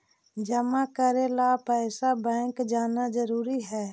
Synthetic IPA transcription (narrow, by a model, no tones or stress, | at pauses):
d͡ʒəmakəɾelapɛːsabɛ̃ːŋkd͡ʒaːnad͡ʒəɾuːɾiɦɛː